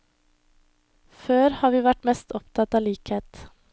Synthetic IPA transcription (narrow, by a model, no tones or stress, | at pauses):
føːɾhɑːɾʋiːʋæʈmɛst̪ɔpt̪ʰɑt̪ɑːliːkheːt̪